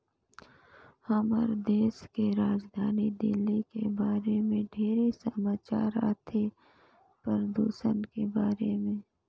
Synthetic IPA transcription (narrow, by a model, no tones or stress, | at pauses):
hɐmə̰ɾd̪eːskeɾaːd͡ʒd̪ʱaːnid̪ɪ̰lːikebaːɾemẽɖʱeːɾisəmaːt͡ʃaːɾa̰ːt̪ʰe | pəɾd̪uːʃənkebaːɾemẽː